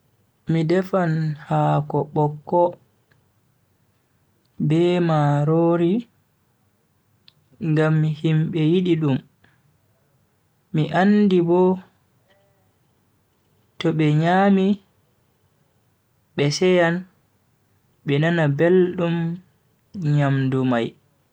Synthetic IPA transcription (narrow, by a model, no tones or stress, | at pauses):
midɛfanhakɔɓɔkːɔ | bɛːmaɾoːɾi | ŋɡamːihimɓɛjiɗiɗum | miʔandibɔ | tɔɓɛɲaːmi | ɓɛsɛjan | ɓɛnanabelɗum | ɲamdumaj